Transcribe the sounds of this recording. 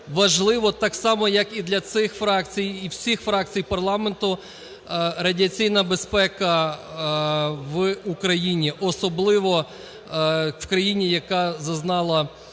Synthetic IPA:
ʋɐʒlˠɪʋɔt̪ɑksɑmɔjɐkid̪lʲɐt̪sɪxfɾɑk̚t͡sʲijiwsʲixfɾɑk̚t͡sʲijpɐrlˠɑment̪ʊ | ɾɐdʲiɐt͡sʲijnɐbe̞spɛkɐ | ʋukɾɐjinʲiʔɔsɔblˠɪʋɔ | wkɾɐjinʲijɐkɑzɐznɑlˠɐ

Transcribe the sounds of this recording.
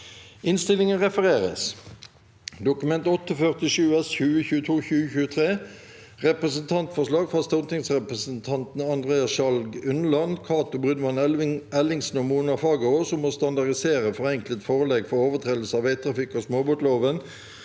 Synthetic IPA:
ɪnst̪ɪlɪŋənʁɛfəʁeːʁə̰s | d̪ʊkʉmɛnt̪ɔt̪ːəfœʁt̪ɪʃʉːɛsçʉːəçʉːət̪ʰuːçʉːəçʉːət̪ʰʁeː | ʁɛpʁəsənt̪ʰɑnt̪fɔʁʂlɑːɡfɑst̪ʊnt̪ʰɪŋsʁɛpʁəsən̩t̪ʰɑnt̪n̩ɑnd̪ʁeːɑsʃɑlɡʉnəlɑnkʰɑːt̪ʊbʁʉd̪mɑnɛlɪŋsn̩ɔmuːnɑfɑːɡəoːsɔmːoːst̪ɑnd̪ɑʁdɪseːʁəfɔʁɛŋklət̪foːʁəlɛɡfɔʁoːʋət̪ʰʁeːd̪l̩səɑːʋeɪt̪ʰʁɑfɪkːoːsmoːbʊʈ̪loːʋən

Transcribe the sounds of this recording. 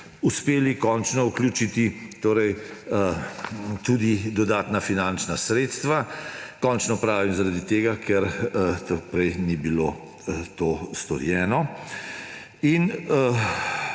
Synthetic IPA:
uspeːlikɔnt͡ʃnɔuklʲjuːt͡ʃit̪it̪oːɾɛj | t̪ud̪id̪ɔd̪aːt̪nafinant͡ʃnasɾeːt̪st̪ʋakɔnt͡ʃnɔpɾaːʋimzaɾad̪it̪eːɡakʰɛɾt̪əpɾɛjnibiloː | t̪oːst̪ɔ̰ɾjɛːnɔ | in

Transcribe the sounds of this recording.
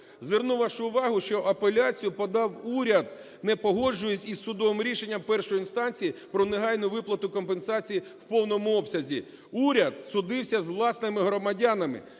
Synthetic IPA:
zʋʲernuʋɐʃʊʋɑɦʊʃt͡ʃɔʔɐpelʲat͡sʲijʊpɔd̪ɑwuɾʲɐd̪̚ | nɛpɔɦɔd͡ʒʊjet͡sʲisʊd̪ɔʋɪmɾʲiʃe̞nʲːɐmpɛrʃɔjiinst̪ɑnʲt͡sʲijipɾɔneɦɑjnʊʋɪplˠɐt̪ʊkɔmpensɑt͡sʲijiwpɔwnɔmʊɔpsʲɐzʲi | uɾʲɐd̪sʊd̪ɪwsʲɐzʋlˠɑsnɪmɪɦɾɔmɐdʲanɐmɪ̰

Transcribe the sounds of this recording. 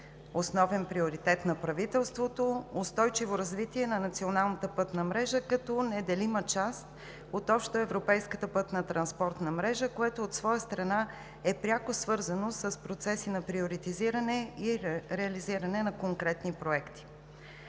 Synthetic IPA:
osnɔvɛnpɾioɾit̪ɛt̪nɐpɾɐvit̪ɛlˠst̪vot̪oost̪ɔjt͡ʃivoɾɐzvit̪iɛnɐnɐt̪sionalˠnət̪əpɤt̪nəmɾɛʒəkɐt̪ɔnɛd̪ɛlimət͡ʃast̪̚ | ot̪ɔpʃt̪oɛvɾopɛjskət̪əpɤt̪nət̪ɾɐnspɔɾt̪nəmɾɛʒəkoɛt̪oːt̪svɔjəst̪ɾɐna | ɛpɾʲjakosvɤɾzənosəspɾot̪sɛsinɐpɾioɾit̪iziɾɐnɛiɾɛɐliziɾɐnɛnɐkoŋkɾɛt̪nipɾoɛkt̪i̥

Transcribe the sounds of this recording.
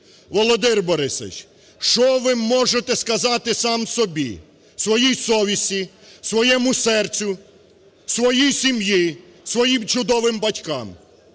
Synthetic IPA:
ʋɔlˠɔd̪ɪrbɔɾɪsɐ̰t͡ʃʲ | ʃt͡ʃɔʋɪmːɔʒet̪ɛskɐzɑt̪ɪsɑmsɔbʲḭ | sʋɔjijsɔʋʲisʲi | sʋɔjɛmʊsɛrt͡sʲʊ | sʋɔjijsʲimji | sʋɔjimt͡ʃʊd̪ɔʋɪmbɐtʲkɑm

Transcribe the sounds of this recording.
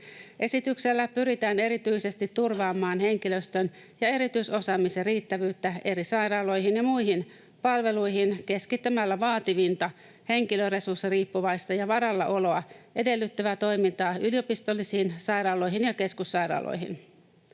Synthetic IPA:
ʔe̞sit̪ykselːæpyɾit̪æːne̞ɾit̪yjse̞st̪it̪ːurʋɑːmːɑːnhe̞ŋkiløst̪øn | jɑe̞ɾit̪yiso̞sɑːmiseriːt̪ːæʋyːt̪ːæe̞ɾisɑjɾɑːlo̞jɦinjɑmuiɦin | pɑlʋe̞lujɦinke̞skit̪ːømælːæʋɑːt̪iʋint̪ɑ | he̞ŋkiløre̞sursːiriːpːuʋɑjst̪ɑjɑʋɑɾɑlːɑ̰ʔo̞lo̞ɑe̞de̞lːyt̪ːøʋæt̪o̞jmint̪ɑːylijo̞pist̪o̞lːisiːnsɑjɾɑːlo̞jɦinjɑke̞skusːɑjɾɑ̰ːlʔo̰jɦḭn

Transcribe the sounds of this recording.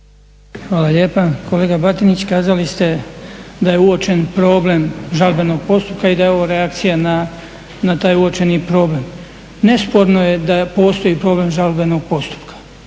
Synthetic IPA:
xʋaːlaʎe̞ːpakʰo̞le̞ːɡabat̪init͡ɕkaːzalist̪e̞d̪ajeuot͡ʃe̞npɾo̞ːble̞mʒalbeno̞ɡ̚po̞st̪upkaid̪ajeo̞ʋoɾeakt̪sijana | nat̪aːjuot͡ʃe̞nipɾo̞ːble̞m | ne̞spo̞ɾnoje̞d̪apo̞ːst̪o̞jipɾo̞ːble̞mʒalbeno̞ɡ̚po̞st̪u̥pkḁ

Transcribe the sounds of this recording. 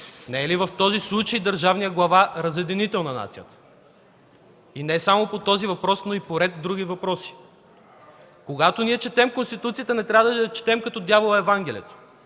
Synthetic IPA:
nɛɛlivɐft̪ɔzislˠut͡ʃəjd̪ɐɾʒavnijəɡlˠɐvaɾɐzjɛd̪init̪ɛlˠnɐna̰t̪sijət̪ə̥ | inɛsamopot̪ɔzivɐpɾɔsnoipoɾɛt̪d̪ɾuɡivɐpɾɔsi̥ | koɡat̪oniɛt͡ʃɛt̪ɛmkonst̪it̪ut̪sijət̪ənɛt̪ɾʲavəd̪ət͡ʃɛ̥t̪ɛmkɐt̪ɔd̪javolˠɐɛvaŋɡ̟ɛlʲijɛt̪o̥

